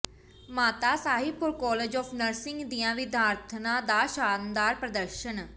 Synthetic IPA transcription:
maːt̪aːsaːɦɪb̚pʊɾkɔːleːd͡ʒɔːpʰnəɾsɪŋɡd̪ijãːʋid̪ʱaːɾt̪ʰnãːd̪aːʃaːnd̪aːɾpɾəd̪əɾʃən

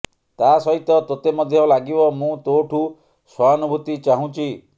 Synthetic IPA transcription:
t̪asɔɦit̪ɔt̪ot̪emɔd̪ʱjɔlaɡibɔmũt̪oʈʰu | sɔanubʱut̪it͡ʃaɦũt͡ʃʰi

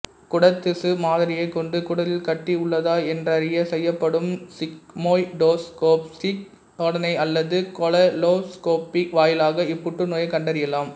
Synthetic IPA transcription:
kʊɽɐt̪ːɪsɯmaːðɪɾɪjɐɪkːɔɳɖɯkʊɽɐlɪlkɐʈːiʊɭːɐðaːɛndrɐɾɪjɐsɛjːɐpːɐɽɯmsɪkmoːjɖoːskoːpsik̪ | ɔɽɐnɐɪɐlːɐðɯkɔlɐloːskoːpiʋaːjɪlaːɣɐɪpːʊʈːɯnoːjɐɪkɐɳɖɐɾɪjɐlaːm

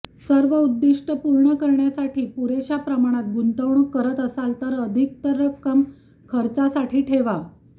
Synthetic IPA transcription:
səɾʋəud̪ːiʂʈəpuɾɳəkəɾɳjasaʈʰiːpuɾeɕapɾəmaɽ̃at̪̚ɡunt̪əʋɳukːəɾət̪əsalt̪əɾəd̪ʱik̚t̪əɾəkːəm | kʰəɾt͡sasaʈʰiːʈʰeʋa

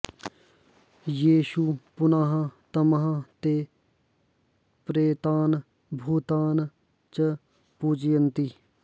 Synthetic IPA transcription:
jiːʃupʊnaːɦɐ̃t̪ɐmɐɦãt̪e | pɾeːt̪aːn | bʱuːt̪aːn | t͡ʃə | puːd͡ʒjɐnt̪i

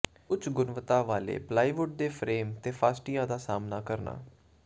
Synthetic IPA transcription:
ʊt͡ʃʰɡʊnʋət̪ãːʋaːlḛːplaːiːʋʊɖ̚d̪eːpʰɾeːmt̪eːpʰaːsʈijãːd̪aːsaːmnaːkəɾna̰ː

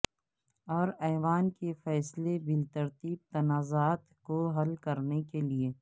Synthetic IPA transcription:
ɔːɾɛːʋaːnkefɛːslebɪlt̪ɐɾt̪iːb̚t̪ɐnaːzaːt̪koɦɐlkɐɾnekelieː

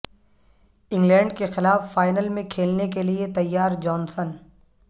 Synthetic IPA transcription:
ɪ̃ŋɡlɛ̃ːɳɖkexɪlaːfːaːɪnəlmẽkʰeːlnek̬eliet̪ɐjːaːɾd͡ʒɔːnsən

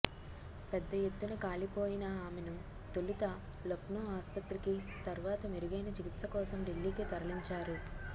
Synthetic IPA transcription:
pɛd̪ːɐjet̪ːunɐkaːlipo̞ːjinɐaːmenu | t̪olit̪ɐ | lɐpnoaːspɐt̪ɾikit̪ɐɾuʋaːt̪ɐmeɾuɡɐjnɐt͡ʃikit̪sɐkɔːsɐmɖilːiːkit̪ɐɾɐliɲt͡ʃaːɾu

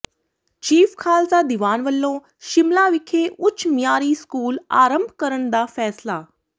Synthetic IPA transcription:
t͡ʃiːfkʰaːlsad̪iʋaːnʋəlːõː | ʃɪmlaːʋɪkʰeːʔʊt͡ʃʰːmjaːɾiːskuːla̰ːɾə̃mbʱkəɾəɳd̪aːfɛːslaː

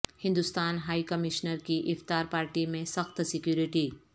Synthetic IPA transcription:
hɪ̃nd̪ʊst̪aːnɦaːikɐmɪʃnəɾkiʔɪft̪aːɾpaːɾʈimẽsɐxt̪sɪkjuːɾɪʈiː

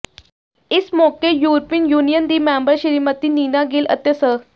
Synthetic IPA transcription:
ismokejuɾpinjuːnijənd̪iːmæmbəɾɕiɾimət̪iːniːnaɡeːlə̰t̪jəsə

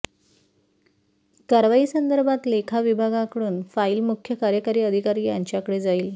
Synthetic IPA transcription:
kaɾʋaiːsənd̪əɾbʱat̪lekʰaʋibʱaɡakəɽuːnfaiːlmukʰjəkaɾjəkaɾiːəd̪ʱikaɾiːjaɲt͡ɕjakəɽed͡zaiːl

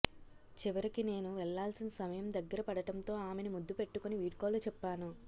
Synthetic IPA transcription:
t͡ʃiʋɐɾikine̞ːnuʋɛɭːaːlsinɐsɐmɐjɐmd̪ɐɡːɐɾɐpɐɽɐʈɐnt̪o̞ːaːme̞nimud̪ːupe̞ʈːukuniʋiːʈkoːlut͡ʃɛpːaːnu

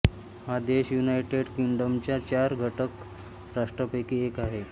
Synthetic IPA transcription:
had̪eɕjunajʈeɽkiɳɖəmt͡ɕjat͡ɕaɾɡʱəʈək | ɾaʂʈɾəpəjkiːekaɦe

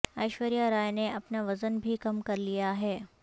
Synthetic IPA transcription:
ɐɪʃʋəɾijaɾaːjneɐpnaʋɐzənbʱikɐmkɐɾlijaɦeː

